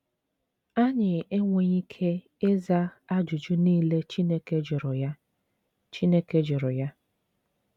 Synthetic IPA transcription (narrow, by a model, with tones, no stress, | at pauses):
a˦ɲɪ˨e˦ŋʷe˨ɲi˦kʰe˦ | e˦za˦a˦d͡ʒʊ˨d͡ʒʊ˦niː˦le˦t͡ʃi˦ne˦ke˦d͡ʒʊ˨ɾʊ˨ja˦ | t͡ʃi˦ne˦ke˦d͡ʒʊ˨ɾʊ˨ja˦